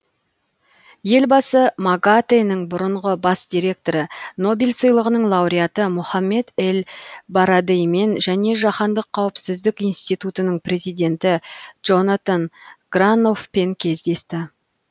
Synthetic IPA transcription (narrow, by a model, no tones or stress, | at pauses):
je̞lbɑsəmaɡat̪enəɴbʊɾəɴʁəbɑsd̪̥ʲiɾe̞k̚t̪o̞ɾəno̞bilʲsəjlˠəʁənəɴlˠɑwɾijat̪əmʊχɑmːe̞d̪elbaɾad̪ejme̞nʒæne̞ʒɑχɑnd̪əqʰːɑwəpsɪzd̪ɪkijnst̪it̪ut̪ənəɴpʰrʲe̞zijd̪ʲe̞nt̪ɪʒo̞nat̪anɡ̥rano̞fpe̞ŋkʲʰe̞zd̪e̞st̪ɪ